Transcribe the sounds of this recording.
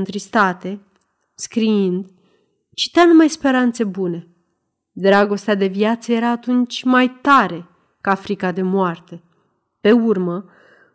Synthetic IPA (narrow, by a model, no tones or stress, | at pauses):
nt̪ɾist̪at̪e̞ | skɾiind̪ | t͡ʃi̥t̪eanumajspe̞ɾant̪se̞bune̞ | d̪ɾaɡo̞st̪ead̪e̞viat̪səje̞ɾaːt̪unt͡ʃʲmajt̪aɾe̞ | kafɾikad̪e̞moart̪e̞ | pe̞urmə